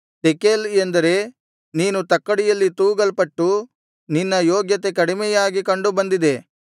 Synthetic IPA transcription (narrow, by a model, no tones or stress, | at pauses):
t̪ekelend̪ɐɾe̞ | niːnut̪ɐkːɐɽijɐlːit̪uːɡɐlpɐʈːu | ninːɐjoːɡjɐt̪e̞kɐɽimɛjaːɡikɐɳɖubɐnd̪id̪e̞